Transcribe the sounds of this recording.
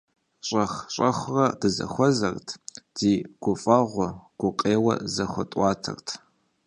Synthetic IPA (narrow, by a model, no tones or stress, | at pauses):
ɕʼɐχɕʼɐχʷʊrɐdɨzɐ̰xʷɔzɐrtʰz̥iːɡ̥ʷʊfʼɐʁʷʊɡ̥ʷʊqʼeːwɐ̰zɐxʷʊtʼwʷɑːtʰɐ̰rtʰ